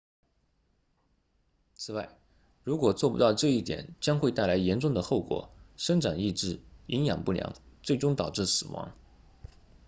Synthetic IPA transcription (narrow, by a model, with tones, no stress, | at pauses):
t͡sʰɹ̩˨˩wa˥˩ɪ | ɻu˧˥kwɔ˨˩t͡swɔ˥˩pu˥t̪ɑ˥˧ʊʈ͡ʂɤ˥˧i˥˩t̪jɛ̰˨˩˦nt͡ɕjɑ˥ŋxwe˥˧ɪt̪a˥˩ɪla˧˥ɪjɛ˧˥nʈ͡ʂʊ˥˩ŋd̪ə˩xo˥˩ʊkwɔ̰˨˩˦ʂɤ˥ŋʈ͡ʂa˨˩ŋi˥˧ʈ͡ʂɻ̩˥˩i˧˥ŋjɑ˨˩ŋpu˥˩ljɑ̰˧˥ŋt͡swe˥˩ɪʈ͡ʂʊ˥ŋt̪ɑ˨˩ʊʈ͡ʂɻ̩˥˩sɹ̩˨˩wɑ̰˧˥ŋ